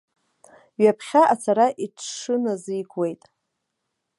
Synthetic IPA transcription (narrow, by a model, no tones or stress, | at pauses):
ɥapʰχʲaʔat͡sʰaɾaʔiʈ͡ʂʰʂɨnazijɡwe̞jtʼ